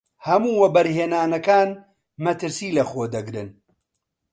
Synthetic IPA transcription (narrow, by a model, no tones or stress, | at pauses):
hɐmuːwɐbɐɾɦeːnaːnɐkaːn | mɐt̪ɨɾsiːlɐxoːd̪ɐɡɾɨ̰n